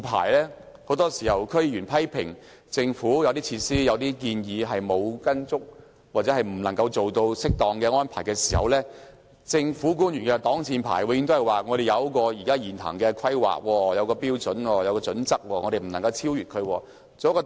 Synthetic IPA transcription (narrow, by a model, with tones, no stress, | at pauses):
pʰa̰ː˨˩jlɛː˥ | ho˨˥wt̪ɔː˥si˨˩hɐ˨˩wkʰɵ˥ɥjyː˨˩npʰɐ˥jpʰɪ̰˨˩ŋ | t͡sɪ˧ŋfuː˨˥jɐ˨˧wt̪̬iː˥t͡sʰiː˧t̚siː˥jɐ˨˧wt̪iː˥k̬iː˧njiː˨˧ɦɐ˨jmo˨˧wkɐ˥nt͡sʊ˥k̚ | waː˨t̚t͡sɛ˨˦˥ɐ˨˩jm̩˨˩lɐ˨˩ŋkɐ˧wt͡so˨wt̪o˧wsɪ˥k̚t̪ɔː˨˩ŋkɛː˧ŋɔː˥npʰaː˨˩jkɛː˧si̥ː˨˩hɐ̰˨wlɛː˥ | t͡sɪ˧ŋfuː˨˥k̬uː˥njyː˨˩nkɛ˧t̪ɔː˨˥ŋt͡sʰiː˧npʰa̰ː˨˩jwɛ˧jɪ˧ŋt̪o˥whɐ˨˩jwaː˨˩ŋɔː˨˧ɾe˨jɐ˨˧wkɔː˧ji˨˩kaː˥jiː˨˩nhɐ̰˨˩ŋkɛː˧kʰɐ˥jwa̰ː˨k̚wɔː˧jɐ˨˧wkɔː˧piː˥wt͡sɵ˨˥nwɔː˧jɐ˨˧wkɔː˧t͡sɵ˨˥nt͡sɐ˥k̚wɔː˧ŋɔː˨˧ɾe˨˩m̩˨˩lɐ˨ŋkɐ˧wt͡sʰiː˥wjyː˨t̚kʰɵ˨˧wɔː˧ | t͡so˨˧jkɔː˧